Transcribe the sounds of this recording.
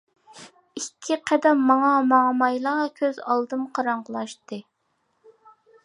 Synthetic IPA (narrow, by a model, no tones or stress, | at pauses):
ikʲʰːiqʰɛd̪ɛmːɑŋɑmɑmɑjlˠɑkʲʰøzɑlˠd̪ɨmqʰɑɾɑɴʁəlˠɑʃt̪ɨ